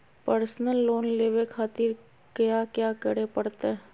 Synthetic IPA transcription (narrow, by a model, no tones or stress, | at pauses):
pəɾsnəlːoːnleːʋekʰaːt̪ɪɾ | kjakjaːkəɽepɐɽt̪e